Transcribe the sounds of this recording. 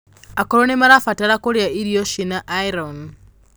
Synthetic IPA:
akoɾonemaɾafataɾakolejaiɾijoʃinaʔaiɾon

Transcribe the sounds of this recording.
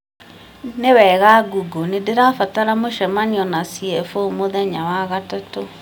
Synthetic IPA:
newɛɣaɡuɡonedeɾafataɾamoʃɛmaniɔnasiɛfomoðɛɲawaɣatato

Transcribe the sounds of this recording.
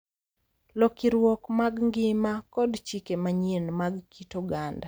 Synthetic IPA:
lɔkiɾwɔkmaɡŋɡɪmakɔdt͡ʃikemaɲenmaɡkitɔɡanda

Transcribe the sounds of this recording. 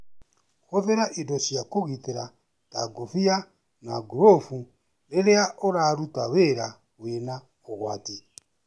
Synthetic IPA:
xoðeɾaʔidoʃjakoɣiteɾa | ta̰ɡofia | naɡuɾofu | leɾeaʔoɾaɾutaweɾa | wena | oɣwaːti

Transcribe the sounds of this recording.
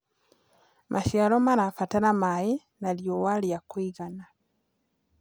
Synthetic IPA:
mʔaʃjalomaɾafataɾamaji | naljowaljakwiɣana

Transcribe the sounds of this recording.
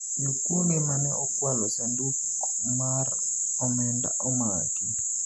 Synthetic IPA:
jokwonɪmanɛʔɔkwalɔsanduk | mar | ɔmɛnda̰ʔɔma | ki

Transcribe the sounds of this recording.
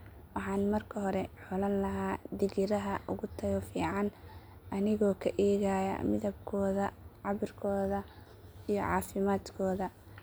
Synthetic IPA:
wɑħɑːnmɐrkʰɐɦɔɾɛħɔlɐnlɐɦaːd̪ɪɣɪɾɐɦɐʔʊɣʊt̪ʰɐɣɔfiːʕɑn | ʔɐnɪɣɔːkʰɐʔɛːɣaːjɐ̰mɪðɐbkʰɔːðɐʕɑβɪrkʰɔːðɐ | ijɔ̰ʕɑ̰ːfɪmaːd̪kʰɔːðɐ

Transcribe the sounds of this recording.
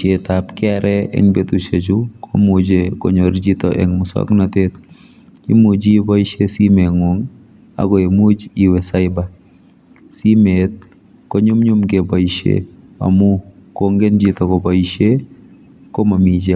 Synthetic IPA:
et̪apkɛɾʔɛɛ̰ŋbet̪ut͡ʃed͡ʒukʰɔ̰mud͡ʒekɔ̰ɲoɾd͡ʒit̪ɔʔɛ̰ŋmʊsɔ̰knat̪et̪̚ | kimud͡ʒibaiʃesimeŋoŋ | a̰ɡɔemud͡ʒiwɛsaɪba | simet̪̚ | kɔɲʊmɲʊmkebaiʃḛma̰mʊ | koŋɡend͡ʒit̪ɔkɔbaiʃe | kɔmamid͡ʒe

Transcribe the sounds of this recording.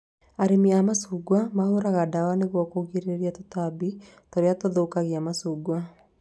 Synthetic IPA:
aɾemiamasuɡwamahoɾaɣadawaneɣwɔkoɣiɾeɾiatotabi | toɾeatoðokaɣeamasuɡwa

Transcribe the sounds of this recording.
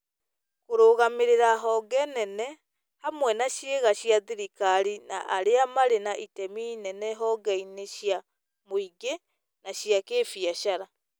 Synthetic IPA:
koɾoːɣameɾeɾaɦɔɡɛnɛnɛ | hamwɛnaɕjeɣaɕjaðiɾikaɾinaʔaɾeamaɾenaʔitɛminɛnɛɦɔɡɛineɕja | moiɡe | naɕjakeːfjaʃaɾa

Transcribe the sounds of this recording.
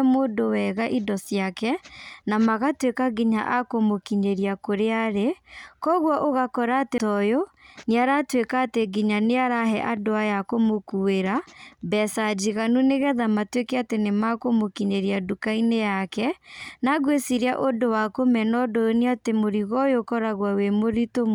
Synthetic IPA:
modowɛɣaʔidɔsjakɛnamaɣatwekaɡiɲa̰ʔakomokiɲeɾiakoɾeaɾekɔɣwɔʔoɣakɔɾaːtetɔjoneaɾatwekaːteɡiɲaneaɾaɦɛ̰ʔadoajakomokueɾabɛsad͡ʒiɣanuneɣɛðamatwekɛatenemakomokiɲeɾiadukainejakɛnaɣwesiɾjaʔodowakomɛnɔdojoniatemoɾiɣɔjokɔɾaɣwawemoɾitom

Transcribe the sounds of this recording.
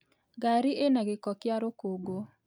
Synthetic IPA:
ɡaɾiʔenaɡɪkɔkjaɾokoɡo

